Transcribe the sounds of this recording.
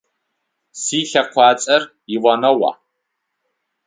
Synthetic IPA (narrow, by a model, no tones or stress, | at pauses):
siːɬɐqʷɑːt͡sʼɐr | ɪwɐnɐwa̰ː